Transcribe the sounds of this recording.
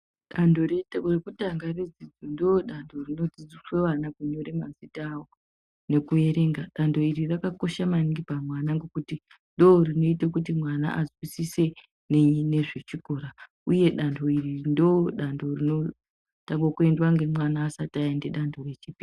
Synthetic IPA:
ɗando̞rerekutaŋɡared͡zid͡zondoɗandʱo̞rino̞d͡zid͡zisweʋanakuɲo̞ɾemazitaːwo | ne̞kue̞ɾe̞ŋɡaɗando̞iɾirakako̞ʃamaniŋɡipamwanaŋɡe̞kuti | ndoorino̞itakutimwana̰ʔazwisise̞ | nene̞ʐet͡ʃiko̞ɾa | uje̞ɗandʰo̞irindooɗando̞rino̞ | taŋɡokue̞ndwaŋɡe̞mwanaːsataindeɗandʰʱo̞re̞t͡ʃipi

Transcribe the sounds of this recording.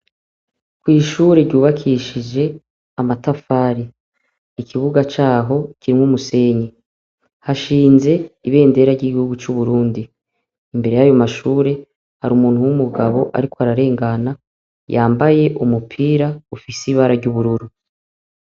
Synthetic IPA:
kwiːʃuːɾe̞ɾɟuːβakʰiʃid͡ʒe̞ | amatafaːɾi | ikʰiβuɡat͡ʃaːɦo̞kiɾimŋumuse̞ːɲe | haʃiːnze̞iβe̞ːnde̞ɾaɾɟiːɡihuɡut͡ʃuβuɾuːndiː | mbe̞ɾejajo̞maʃuːɾe̞ | haɾumuːnhuwumuɡaβo̞ʔa̰ɾikoaɾaɾe̞ːŋɡana | jaːmbaje̞ʔumupʰiːɾaufisiβaːɾaɾɟuβuɾuɾu

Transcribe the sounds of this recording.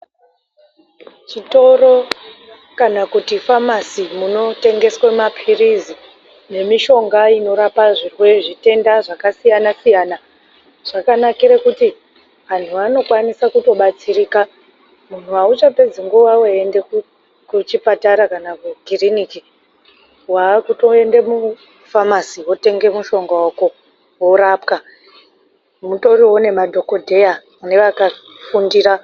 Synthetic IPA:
t͡ʃito̞ro̞ | kanakutifamasimuno̞te̞ŋɡe̞swemapʰirizi | ne̞miʃo̞ŋɡaino̞ɾapaʐirwe̞ʐite̞ndaʐakasijanasijana | ʐ̥akanakiɾekuti | ʋan̤uʋano̞kwanisakuto̞ɓat͡siriːka | mun̤uaut͡ʃape̞d͡ziŋɡuʋawaendeku | kut͡ʃipataɾakanakuɡʱiriniki | wakuto̞e̞ndemu | famasiwo̞te̞ŋɡe̞muʃo̞ŋɡawako̞ | woɾapka | muto̞riwone̞madʱo̞ko̞dʱe̞ja | ne̞ʋaka | fundiːra

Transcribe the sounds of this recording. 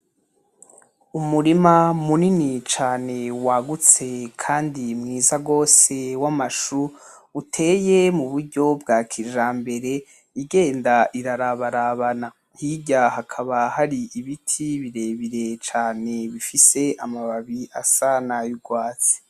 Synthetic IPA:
umuɾimamuninit͡ʃaːne̞waɡut͡se̞kʰaːndimŋiːzaɡo̞ːse̞wamaʃu | utʰe̞ːje̞muβuɾɟo̞bɡaːkʰiʒambe̞ɾe̞ | iɡe̞ːndaʔiɾaɾaβaɾaβana | hiɟahakʰaβahaɾiiβitʰiβiɾe̞βiɾe̞t͡ʃaːne̞βifise̞amaβaβiasanajuɡwaːt͡si̥

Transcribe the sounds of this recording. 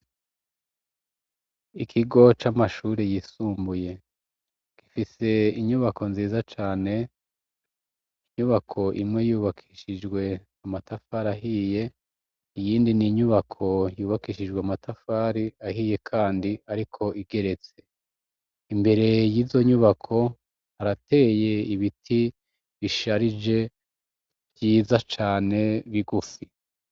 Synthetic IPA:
ikʰiɡo̞t͡ʃamaʃuːɾejisuːmbuje̞ | ki̥fise̞iɲuβakʰo̞nziːzat͡ʃaːne̞ | iɲuβakʰo̞ʔḭmŋe̞juːβakʰiʃid͡ʒɡwe̞ | amatafaɾaɦiːje̞ | ijiːndiniɲuβakʰo̞juːβakiːʃid͡ʒɡweamatafaɾiahiːje̞kʰaːndiaɾikʰo̞ʔiɡe̞ɾe̞t͡se̞ | imbe̞ɾe̞jiːzo̞ɲuβakʰo̞ | haɾate̞ːje̞iβitʰi | βiʃaɾid͡ʒe̞ | bjiːzat͡ʃaːne̞βiɡufi

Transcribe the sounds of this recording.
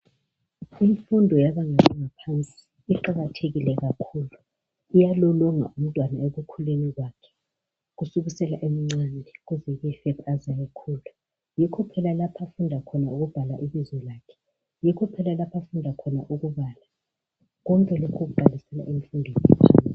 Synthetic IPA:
iɱfundʱɔjaβaŋalaŋapʰant͡sʼiiː | ǃaɣatʰeɣilɛɣakʰuːlu | ijalɔlɔŋa̰ʔum̩tʼwanaeɣukʰuleniɣwakʰɛ̥ | ɣusuɣusɛla̰ʔemiŋ͡ǀandʱiɣuzɛɣɛfɛβazajɛkʰuːlu | jikʰɔpʰɛlalapʰafundʱakʰɔnauɣub̥ʱala̰ʔiβizwɛlaːkʰɛ̥ | jikʰɔpʰɛlalapʰafundʱakʰɔna̰ʔuɣuβaːla | ɣɔmkʼɛlokʰoɣuǃʱalisɛla̰ʔiɱfundʱɔḭt͡ʃʼaːn

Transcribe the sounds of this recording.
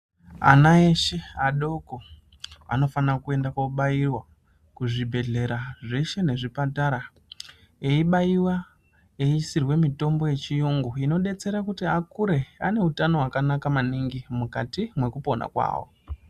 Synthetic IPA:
a̰naeʃe̞aɗo̞ko̞ | a̰no̞fankue̞ndakoɓajirwa | kuʐibʱe̞ɮe̞ɾaʐeʃe̞ne̞ʐipataɾa | eiɓaiwa | eisirwe̞mito̞mbo̞je̞t͡ʃijuŋɡuino̞ɗe̞t͡se̞ɾakutiakuɾe̞ane̞utano̞ɦwakanakamaniŋɡimukatimwe̞kupo̞na̰kwa̰ːwo̰

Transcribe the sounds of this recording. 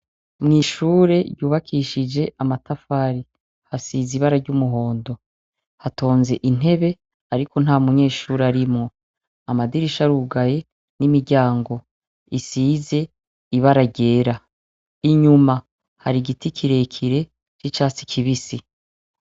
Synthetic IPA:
mŋiːʃuːɾe̞ɾɟuːβakʰiʃid͡ʒe̞ʔamatafaːɾi | hasiːziβaɾaɾɟumuɦo̞ːndo̞ | hato̞ːnze̞ʔin̥e̞βe̞ | aɾiko̞n̥aːmuɲe̞ːʃuːɾeaɾimŋo̞ | amadiɾiʃaɾuɡaje̞ | nimiɾɟaːŋɡo̞ | isiːze̞ | iβaɾaɟe̞ːɾa | iɲuma | haɾiɡitikʰiɾe̞kʰiɾe̞ | t͡ʃit͡ʃaːt͡si̥kʰiβisi

